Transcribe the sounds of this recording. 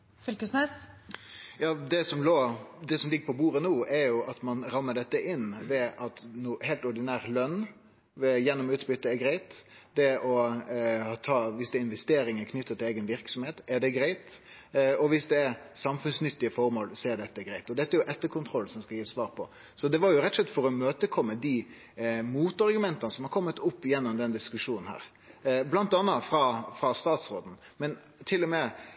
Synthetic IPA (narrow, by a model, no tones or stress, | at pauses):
fʏlkəsnɛs | jɑːd̪ɛsɔmloːd̪ɛsɔmlɪɡːəpʰɔbuːɾənuːɛɾjʊʔɑt̪mɑnɾɑmːəɖ̪ɛt̪ːəʔɪnʋɛʔɑt̪nuːhæɪlt̪ɔɾɖ̪ɪnæːʁlœn | ʋɛjɛnːɔmʉːt̪bʏt̪ːəɛɡɾæɪt̪d̪ɛʔɔhɑt̪ʰɑːʋɪsd̪ɛɪnʋɛst̪eːɾɪŋəkʰnʏt̪ːət̪ʰɪleːɡənʋɪɾksɔmheːt̪ɛd̪ɛɡɾæɪt̪ | ɔʋɪsd̪ɛːɾsɑmfʉnsnʏt̪ːɪəfɔɾmoːlsɔɛd̪ɛt̪ːəɡɾæɪt̪ɔd̪ɛt̪ːəɛɾjʊʔɛt̪ːəɾkʰʊnt̪ʰɾɔlːsɔmskɑjiːsʋɑːɾpʰɔ | sɔd̪ɛʋɑɾjʊɾɛt̪ɔslɛt̪ːfɔɾɔmøːt̪əkʰɔmːəd̪i | muːt̪ɑɾɡʉmɛnt̪ɑnəsɔmhɑɾkʰɔmːət̪ʊpːjɛnːɔmd̪ɛnd̪ɪskʉʂuːnn̩hæ̰ːɾ | blɑnt̪ɑnːɑfɾɑfɾɑst̪ɑːt̪sɾoːd̪n̩ | mɛn | t̪ʰɪlːɔmɛ